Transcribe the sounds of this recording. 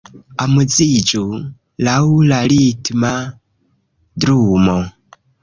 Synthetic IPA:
amud͡zid͡ʒu | laulalitma | dɾumo

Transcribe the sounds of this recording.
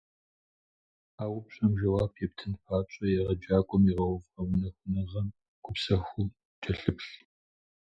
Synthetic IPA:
aːwʊpɕʼɐmʒɐwaːpʰeːp̚tʰɨnpʰaːt͡ʃʷʼɐjɛʁɐd͡ʒaːkʷʼʊmiʁɐwʊvɐwʊnɐxʷʊnɐʁɐm | ɡ̥ʷʰʼʊpsɐxʷʊl | d͡ʒʼɐɬɨpɬ

